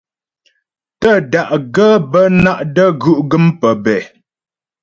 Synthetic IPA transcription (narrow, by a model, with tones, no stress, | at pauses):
tə˦˨da˨ʔɡə˦bə˦na˦ʔdə˦ɡʉ˦˨ʔɡə˦mpə˨bɛ˨